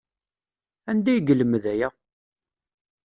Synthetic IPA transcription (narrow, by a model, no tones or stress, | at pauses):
ænd̪æjɡələməðæjæ